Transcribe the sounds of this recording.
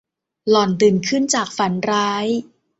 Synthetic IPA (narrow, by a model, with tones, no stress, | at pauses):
lɔ˨˩nt̪ɯː˨˩nkʰɯ˥˩nt͡ɕaː˨˩k̚fa˩˦nɾaː˦˥j